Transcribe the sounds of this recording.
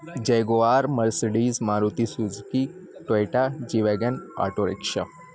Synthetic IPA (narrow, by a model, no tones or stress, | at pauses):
d͡ʒeɡoaːɾməɾseɖizmaɾut̪isud͡zkiʈejʈad͡ʒiʋeɡəna̰ʈoɾḛkʃə̰